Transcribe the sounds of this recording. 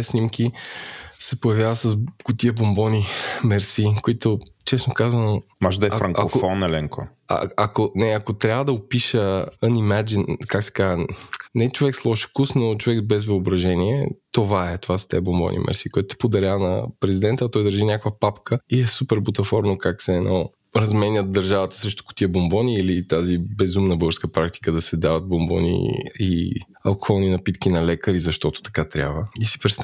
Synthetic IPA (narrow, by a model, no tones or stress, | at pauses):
ɛsnimkʲi | sɛpoʊjɐvjavəsɐs̬ɡ̥ʊt̪iəbombɔnimɛɾsikoit̪ot͡ʃɛsnokazənomɔʒɛd̪ɐɛɾɐŋkaokofɔnɛlɛŋko̰ | a̰akonɛɐkot̪ɾʲabvəd̪ɐopiʃəənimad͡ʒinkaksɛ̥kaʒənɛɛt͡ʃovɛkslˠɔʃkusnot͡ʃovɛkbɛzvəobɾɐʒɛniɛ̰t̪ovaɛt̪ovasɐ̥t̪ɛ̰bombɔ̰nʔḭmʔɛ̰ɾsiːkoɛt̪ʊt̪ɛ̥pod̪ɐɾʲanɐ̰pɾɛzid̪ɛnt̪əɐt̪ɔjd̪əɾʒinʲakvəpapkʰəiɛsupɛɾbot̪ɐfɔɾnokaksɛːnʔɔ | ɾɐzmɛnʲət̪̚d̪ɐɾʒavət̪ə̥sɾɛʃt̪o̥kʊ̥t̪iəbombɔniːlit̪azibɛzumnəbɤɡəɾskəpɾak̚t̪i̥kəd̪ɐsɛd̪avɐt̪̚bombɔ̰nḭḭ | ɐlˠkoxɔlˠninɐpit̪kinɐlɛkəɾizɐʃt̪ɔt̪o̥t̪ɐ̥kat̪ɾʲa̰bvəisi̥pɾɛt̪st̪